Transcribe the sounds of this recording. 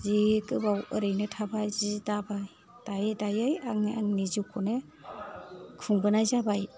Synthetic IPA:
zikɯbawɯɾɯjnɯtʰabajzidabaj | d̥ajɯdajɯjaŋaŋnizikʰunɯ | kʰuŋbɯnajzabaj

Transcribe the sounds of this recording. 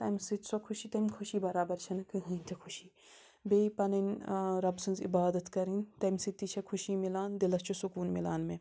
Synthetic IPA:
t̪ɐmsit̪sokʰʊʃit̪ɐmʲkʰʊʃiːbɐɾaːbɐɾt͡ʃʰɐnkɨɦɨːnʲt̪ʰikʰuʃiː | beːipɐnɐnʲɾɐbsɨnzḭbaːd̪ɐt̪kɐɾint̪ɐmʲsit̪ːit͡ʃʰɐkʰuʃiːmilaːnd̪ilɐst͡ʃʰusukuːnmilaːnmẽ

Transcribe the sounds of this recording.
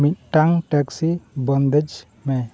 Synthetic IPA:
mit̪̚ʈaŋʈɛksibənd̪ɛd͡ʒ | mɛ

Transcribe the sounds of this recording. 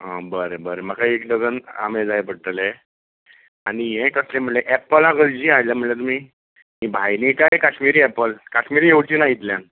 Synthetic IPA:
ə̃bəɾebəɾem̤əkaekd̪əɡəna̰med͡zajpəɽ̚t̪əle | aɽ̃ijẽʈəslem̤əɳleʔɛpəlãɡəld͡ʑiːajljam̤əɳlet̪um̤iː | mibʱajnikajkaɕmiɾiːɛpəlkaɕmiɾiːɦewt͡ɕiːnait̪ljan

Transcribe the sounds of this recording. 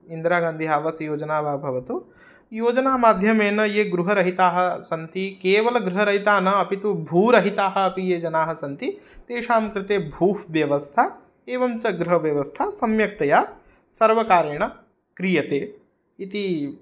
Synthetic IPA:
ind̪ɾaːɡaːnd̪ʱiɦaːʋɐsjoːd͡ʒɐnaːʋaːbʱɐʋɐt̪u | joːd͡ʒɐnaːmaːd̪ʱjɐmeːnɐjeːɡɾuɦɐɾɐɦit̪aːɦɐ̆sɐnt̪ikeːʋɐlɐɡɾuɦɐɾɐɦit̪aːnɐɐpit̪ubʱuːɾɐɦit̪aːɦɐ̆ɐpijeːd͡ʒɐnaːɦɐ̆sɐnt̪it̪eːʃaːmkɾɪt̪eːbʱuːɦʋjɐʋɐst̪ʰa | eːʋɐmt͡ʃɐɡɾɐɦɐʋjɐʋɐst̪ʰasɐmjɐk̚t̪ɐjaː | sɐɾʋɐkaːɾɐɳ̃ɐ | kɾijɐt̪eː | it̪i

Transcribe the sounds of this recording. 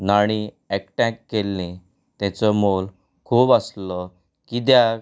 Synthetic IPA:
naɽ̃ĩ | ekʈɛ̃kːelːĩ | t̪ɛ̃t͡sɔmol | kʰuːbaslɔ | kid̪ja

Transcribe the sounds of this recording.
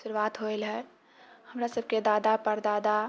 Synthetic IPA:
sʊɾuwaːt̪ɦoelɦɛ | həmɾasəb̚ked̪aːd̪apəɾd̪aːd̪a

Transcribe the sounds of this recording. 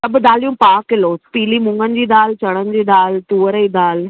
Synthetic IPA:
t̪ɐbd̪aːlijũpaːkɪloːpiːlimʊ̃ŋɡənɪ̆d͡ʑiːd̪aːlt͡ɕɐɽ̃ənɪ̆d͡ʑiːd̪aːlt̪uːəɾiːd̪aːl

